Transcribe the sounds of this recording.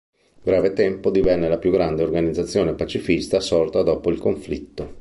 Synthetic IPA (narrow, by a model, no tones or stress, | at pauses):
ɡɾaːvet̪ɛmpod̪ivɛnːelapjuɡɾand̪eorɡanid̪zːat̪sːjoːnepat͡ʃifist̪asɔrt̪ad̪ɔːpoilkoɱflit̪ːo